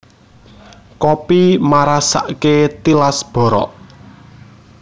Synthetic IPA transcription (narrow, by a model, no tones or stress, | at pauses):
kopimaɾasa̰ʔket̪ilasb̥ɔ̤ɾɔ̰ʔ